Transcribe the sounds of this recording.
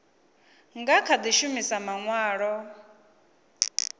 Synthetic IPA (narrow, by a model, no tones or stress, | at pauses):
ŋɡakʰad̪iʃumisamaŋwaːɺɔ